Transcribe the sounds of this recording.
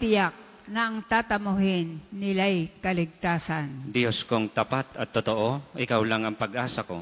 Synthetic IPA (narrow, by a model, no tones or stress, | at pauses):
t̪ɪjak̚ | nɐʔɐŋt̪aːt̪ɐmʊɦɪnːɪlajkɐlɪɡ̚t̪aːsɐnd̪ɪjoskoŋt̪ɐpat̪ɐt̪ːot̪oʔoʔɪkawlaŋɐŋpɐɡʔaːsako̞̰